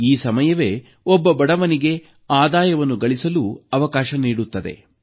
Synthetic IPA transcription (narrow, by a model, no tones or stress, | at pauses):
iːsɐmɐjɐʋe̞ | ɔbːɐbɐɽɐʋɐniɡe̞ | aːd̪aːjɐʋɐnːuɡɐɭisɐluɐʋɐkaːʃɐniːɽut̪ːɐd̪e̞̰